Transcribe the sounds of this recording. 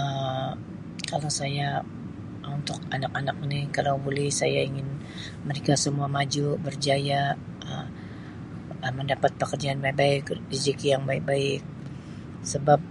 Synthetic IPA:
ə | kalasaja | unt̪ʊk̚anakanak̚nikalawbulɛhsa̰ja̰iŋɪn | məɾekasəmuamad͡ʒubərd͡ʒaja | ʔə | əməndapat̪̚pəkərd͡ʒaːnmabaɪkdid͡ʒikijaŋbaɪk̚baɪk̚ | səbap̚

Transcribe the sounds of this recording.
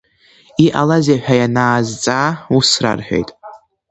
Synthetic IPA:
iʔalazaħᶣajanaːzt͡sʼaːusra̰rħʷᶣe̞̰jtʼ

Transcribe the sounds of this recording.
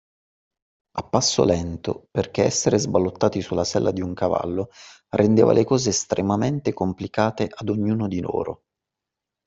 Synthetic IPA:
apːasːo̰lɛnt̪o̰perk̟eɛsːeɾezbalːot̪ːaːt̪isulːasɛlːʔad̪iuŋkava̰lːo | rʔend̪ḛːva̰lʔekɔːzeːst̪ɾʔemament̪ekomplikaːt̪eʔad̪oɲːuːnod̪ilo̰ːɾo̰

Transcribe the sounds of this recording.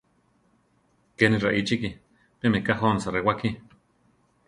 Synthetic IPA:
keniraʔit͡ʃiki | pemekaɦonsarewaki

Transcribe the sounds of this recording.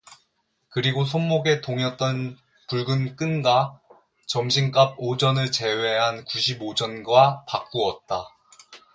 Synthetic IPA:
kɯɾiɡosʰonːoɡe̞toŋjʌt̚t͈ʌn | puɭɡɯnk͈ɯnɡa | t͡ɕʌmɕʰink͈ab̚od͡ʑʌnɯɭt͡ɕe̞we̞ɦankuɕʰibod͡ʑʌnɡwapak͈uʌt̚t͈a

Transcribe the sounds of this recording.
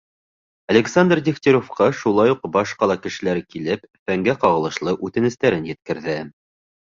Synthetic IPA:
ɐlʲeksand̪rd̪ʲikt̪ʲeɾofqɑʃulˠɑjuqbɑʃqɑlˠɑkɘ̆ʃɘ̆læɾkilɘp | fæŋɡæqɑʁɤ̆lˠɤ̆ʃlˠɤʔʉt̪ɘ̆nɘ̆st̪æɾɘnjɘ̆t̪̚kɘ̆ɾðɘ

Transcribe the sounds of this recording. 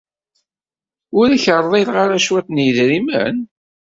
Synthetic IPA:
ʊɾçəɾˤðˤelʁaɾaʃwæt̪njəðɾimə̰n

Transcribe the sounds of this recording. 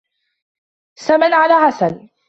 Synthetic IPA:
samanʕalaːħasan

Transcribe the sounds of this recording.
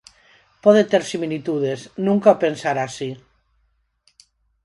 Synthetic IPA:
pɔðet̪eɾsimilit̪uð̞eznũŋkaopensaɾasi

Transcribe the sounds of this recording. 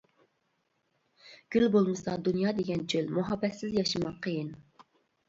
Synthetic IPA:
ɡ̥ʲylbolˠmɨsɑd̪unjɑːd̪eɡʲɛnt͡ʃʰølmuɦɑbːɛsɪzjɑʃɨmɑqʰːəjin

